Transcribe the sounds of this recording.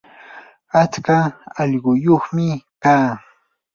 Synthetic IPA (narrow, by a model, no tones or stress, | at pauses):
at͡skaɑʎɢʊjoχmɪkaː